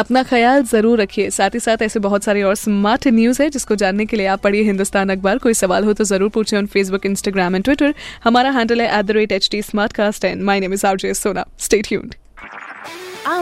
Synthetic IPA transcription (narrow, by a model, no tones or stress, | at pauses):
ɐpnaxɐjaːlzɐɾuːɾːɐkʰiesaːt̪ʰisaːt̪ɛːsebɐɦʊt̪saːɾeɔːɾsmaːɾʈʰnjuːzɦɛd͡ʒɪskod͡ʒaːnːekelieaːpːɐɽieɦɪ̃nd̪ʊst̪ʰaːnɐk̚baɾkoːisɐʋaːlɦot̪ozɐɾuːɾpuːt͡ʃʰẽʊnfʰeːs̬bʊkɪ̃nsʈaːɡɾaːmɛnʈwɪʈəɾhɐmaːɾaɦɛ̃ːɳɖəlɦɛʔɛːd̪əɾeːʈeːt͡ʃʈiːsmaːɾʈ̚kaːsʈɦɛːnmaːɪneːmɪzaːbd͡ʒeːssoːna̰ːsʈeːʈʰjṵːnɖ